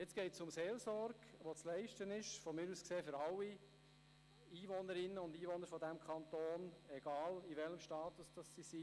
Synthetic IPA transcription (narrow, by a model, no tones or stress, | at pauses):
jet͡sɡ̥ɛɪtsʊmseːlsɔɾɡ̥ʋot͡slɛɪʃtənɪʃfɔmɪːɾuːskseːfʏɾɑlːi | iːʋɔnəɾɪnəʊndiːʋɔnəɾfɔdæmkʰɑnt̪oːnɛɡɑːliʋɛləmʃtɑːt̪ʊsd̥ɑsːisi